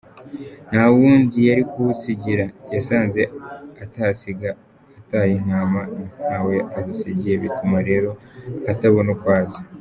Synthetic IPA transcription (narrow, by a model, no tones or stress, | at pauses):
n̥hawuːndijaɾikuwusiɟiɾajasaːnze̞ataːsiɡaː | taːjin̥aːmanawe̞ʔazisiɟiɾe̞βitumaɾe̞ːɾo̞ | ataβo̞nokwaːza